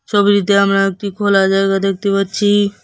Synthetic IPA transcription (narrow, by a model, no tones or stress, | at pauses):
ʃobiɾit̪eamɾaek̚ʈikʰolad͡ʑajɡad̪ek̚ʰt̪epaɾt͡ɕʰi